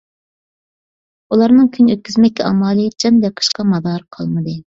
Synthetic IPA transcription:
ulˠɑɾnɨŋkʲʰynøt̪̚kʲyzmɛkʲːɛɑ̰mɑːlˠɨd͡ʒʰɑnd̪ɑqʰə̥ʃqɑmɑd̪ɑɾqʰɑ̰lˠmɨd̪ɨ

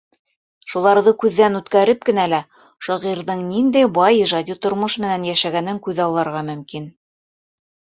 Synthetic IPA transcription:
ʃulˠɑɾðɤkʉðːænʉt̪kæɾɘp̚kɘ̆nælæ | ʃɑʁiɾðɤɴnind̪æjbɑjiʒɑd̪ʲit̪ŏɾmoʃmɘ̆nænjæʃæɡænɘŋkʉðɑwlˠɑɾʁɑmɵ̆mkin

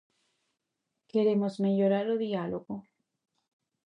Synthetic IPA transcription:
keɾemozmeʎoɾaɾoðialoɣo

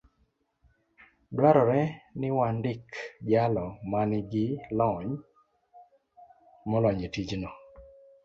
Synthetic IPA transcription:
blaɾɔɾɛnɪwandɪkd͡ʒalɔmanɪɡɪlɔɲ | mɔlɔɲetid͡ʒnɔ

